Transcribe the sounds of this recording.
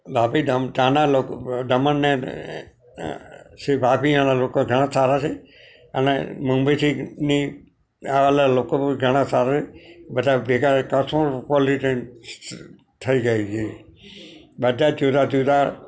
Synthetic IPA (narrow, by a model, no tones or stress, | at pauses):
bapiɖəmt̪ãnalokɖəmənːe | sʋapiãnalokoɡʱəɽ̃ãsaɾat͡ʃʰe | ə̰nḛmumbət̪ʰini | aʋalalokoɡʱəɽ̃ãsaɾat͡ʃʰebəd̪ʱaʋekaɾkəsʰõɾpɔliʈe | t̪ʰəiɡəit͡ʃʰe | bəd̪ad͡ʒud̪ʱad͡ʒud̪ʱa